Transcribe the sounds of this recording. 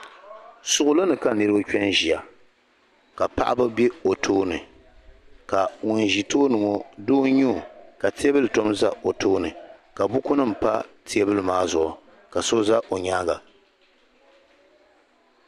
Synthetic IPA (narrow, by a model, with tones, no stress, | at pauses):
sʊ˨ʔʊ˦lɨ˦nɨ˨ka˦nɨ˨ɾɨ˦bɨ˦kᶣɛ˦nʒi˨a˨ | ka˨pa̰˦ʔa˦bɨ˦be˦o˨tʰoː˦nɨ˨ | ka˨ŋʊ˨n˨ʒi˨toː˦nɨ˨ŋɔ˨doː˦ɲu˦˨ka˨ti˦e˦bɨ˦lɨ˨to˦mza˦o˨tʰoː˦nɨ˨ka˨bʊ˦kʊ˦nɨ˦m̩˨pa˦ti˦e˦bɨ˦lɨ˨maː˦zʊ˨ʔʊ˨ | ka˨so˦za˦ʔo˨ɲaː˦ɡa˨